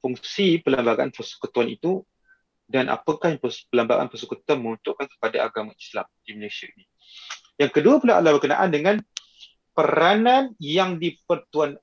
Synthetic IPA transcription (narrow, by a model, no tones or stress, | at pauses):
fuŋsipəlambaɡaa̰npəsu̥kut̪uanit̪u | danʔa̰pəkahjpəlambaɡa̰npəsukut̪uanməŋunt̪ʊʔkankə̥padaa̰ɡamaisla̰md̥iməleʃiaʔini | jaŋkəduapulaɦa̰lahbərkəna̰ʔandəŋan | pəɾananjaŋdipərt̪uan